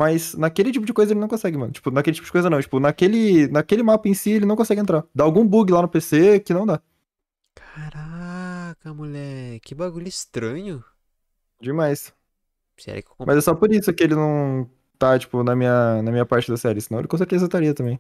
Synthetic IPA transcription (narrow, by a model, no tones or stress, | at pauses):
majsnɐkelɪt͡ʃipʊd͡ʒɪkojzɐelɪnɐ̃w̃kõsɛɡɪmɐ̃nʊt͡ʃi̥pʊnɐkelɪt͡ʃipʊd͡ʒɪkojzɐnɐ̃w̃t͡ʃi̥pʊnɐkelɪnɐkelɪmapɐẽsielɪnɐ̃w̃kõsɛɡɪẽnt̪ɾad̪aːwɡũbuɡɪlanʊpesekɪnɐ̃w̃d̪a | kʰḁɾa | kɐmuʎɛɾkɪbaɡuʎʊɪst̪ɾɐ̃ɲʊ | d͡ʒɪmajs | sɛ̰ɾ̰kekmɐzɛsɔpoɾisʊkɪelɪnɐ̃w̃ | t̪at͡ʃi̥pʊnɐmĩɲɐnɐmĩɲɐpaɾt͡ʃɪd̪ɐsɛɾɪsɪ̥nɐ̃ḛɪkõseɾt̪ezɐt̪aɾiɐt̪ɐ̃mbẽj̃